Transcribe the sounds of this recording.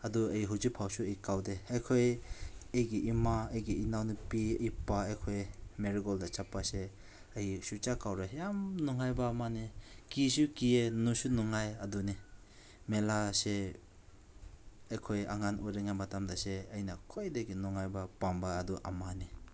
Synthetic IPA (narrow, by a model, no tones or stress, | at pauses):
ɐduɐjiɦuzipʰawsuɐikawdeajkʰojejɡiʔimaɐjɡiinawnipiɐjipaejkʰojmeɾiɡɔldat͡ʃapːase | ɐjisut͡ʃakawɾajamnuŋajbaːmanikis̬ukienusunuŋajaduni | melase | ɐjkʰoja̰ŋanujɾeŋamatamdaseɐjnakʰojdeɡinuŋajbapambaːduʔa̰mani